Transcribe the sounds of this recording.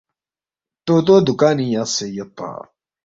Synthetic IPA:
t̪oːt̪̬oːd̪ukaːnijasejɐp̪a̰ː

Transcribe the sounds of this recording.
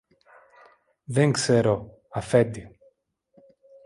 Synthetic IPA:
ðeŋkseɾo | ɐfe̞t̪i

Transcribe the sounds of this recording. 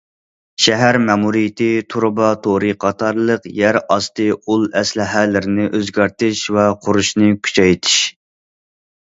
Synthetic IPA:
ʃɛɦæɾmɛmuɾijɪt̪ɪt̪ʰuɾbɑt̪ʰoɾɨqʰɑt̪ʰɑɾlˠəqjæɾɑst̪ɨulˠɛslɪɦælɪɾɪnɪʔøzɡʲɑɾt̪ɪʃwɛqʰʊɾuʃnɨkʲʰy̥t͡ʃʰɛjt̪ʰɪ̥ʃ

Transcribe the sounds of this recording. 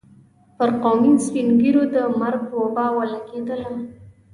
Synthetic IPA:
pəɾqomispinɡiɾod̪əmaɾɡ̚wabɑwalaɡed̪əla

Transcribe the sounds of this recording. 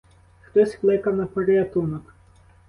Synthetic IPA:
xt̪ɔsʲklˠɪkɐwnɐpɐɾeɐt̪unɔk

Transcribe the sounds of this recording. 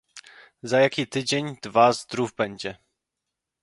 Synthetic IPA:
zajakʲit̪ɘd͡ʑeɲd̪̥vazd̪ɾuvbɛɲd͡ʑɛ

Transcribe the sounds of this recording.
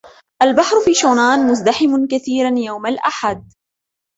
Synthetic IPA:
ʔalbaħɾfiːʃoːnaːnmʊzd̪aħɪmʊkaθiːɾanjawmalʔaħad̪̚

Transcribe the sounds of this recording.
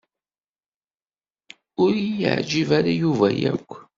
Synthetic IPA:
ʊɾij̰ʕd͡ʒivaɾajuvæjæ̰kʷː

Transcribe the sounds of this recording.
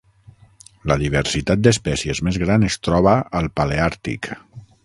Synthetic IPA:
ləðiβ̞əɾsit̪at̪̚d̪əspɛsiəzmezɣɾanəst̪ɾɔβəəlˠpaleaɾt̪ḭk

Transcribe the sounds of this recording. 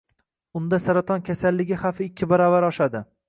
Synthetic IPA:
ʊnd̪asaɾat̪ʰɒnkʲʰasalːɪɡʲɪhafɪɪkʲʰːɪbaɾɒvaɾɒʃad̪ɪ

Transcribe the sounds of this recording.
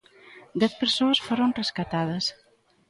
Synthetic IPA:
d̪ɛt̪̚pəɾsoəsfoɾonreskat̪að̞əs

